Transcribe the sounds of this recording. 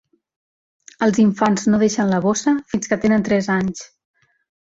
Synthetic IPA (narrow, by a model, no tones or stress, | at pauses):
əlˠziɱfanznoðeʃənləβosəfinskət̪enənt̪ɾɛzaɲs